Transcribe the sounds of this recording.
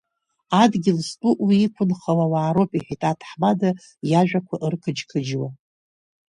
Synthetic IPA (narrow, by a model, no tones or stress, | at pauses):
adɡʲɪlstʼuʔwiːkʷʰʊnχawawaːɾopʼiħᶣitʼatʰħmada | jaʒᶣakʷʰaʔɨrkʰɨd͡ʒkʰɨd͡ʒwa